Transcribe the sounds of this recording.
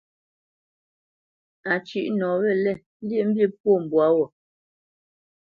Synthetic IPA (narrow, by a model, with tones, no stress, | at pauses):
a˨t͡ʃi˦ʔnɔ˨˦ɣɛ˦˨lɛ˦˨˦lje˦˨m̩˦bje˦p̚wo˦˨m̩˨bwa˨˦wɔ˨